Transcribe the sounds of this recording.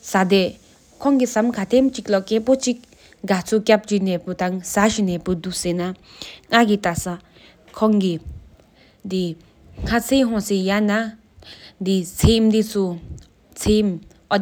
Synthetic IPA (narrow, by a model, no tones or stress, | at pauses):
sad̪e | kʰɔŋkisamkʰat̪ʰemt͡ɕik̚lɔkepot͡ɕik̚ | ɡat͡sʰokʲap̚d͡ʑinɛput̪aŋsaʃinɛpud̪usena | ŋakit̪asa | kʰɔŋki | d̪i | ŋ̥ʰat͡sʰeɦɔ̃sejana | d̪it͡sʰemd̪it͡sʰu | t͡sʰem | ɔ